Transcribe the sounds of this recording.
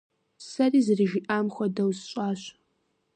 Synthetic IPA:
sɐriːzɨriʒiʔaːmxʷɐdɐwzɕʼɑːɕ

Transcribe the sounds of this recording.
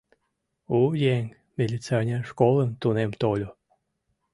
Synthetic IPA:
ujeŋ | mʲelʲit͡seɑnʲenʃkolənt̪unemt̪olʲo

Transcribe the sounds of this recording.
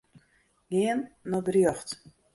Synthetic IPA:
ɡɪənːɔdrjɔxt

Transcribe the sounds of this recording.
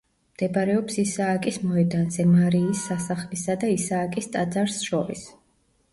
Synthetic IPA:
md̪̥ɛbaɾɛɔpsisaːkʼismɔɛd̪anzɛmaɾiːsːasaχlisad̪aisaːkʼist̪ʼad̪zaɾsʃɔɾḭs

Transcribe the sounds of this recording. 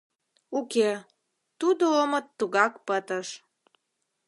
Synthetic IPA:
uke | t̪ud̪oomət̪ːuɣɑkpət̪əʃ

